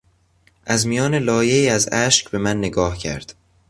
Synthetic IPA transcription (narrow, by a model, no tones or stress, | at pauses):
ʔæzmijɒːne̞lɒːje̞iːæzæʃcbe̞mænːeɡɒːhcʰæ̰ɾd̪̥